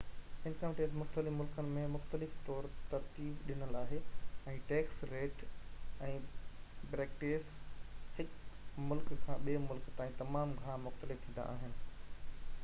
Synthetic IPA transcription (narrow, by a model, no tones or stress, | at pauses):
ɪ̃nkʰãːʈeːzmʊxt̪əlɪfmʊlkənɪ̆mẽmʊxt̪əlɪft̪ɔːɾt̪ɐɾt̪iːbɗɪnəlaːɦeɛ̃ːʈeːksɾeːʈɛ̃ːbɾeːk̚ʈeːshɪkmʊlkkʰãɓieːmʊlkt̪aːĩt̪ɐmaːmɡʱaːmʊxt̪əlɪft̪ʰĩːnd̪a̰ʔa̰ːɦɪnɪ̆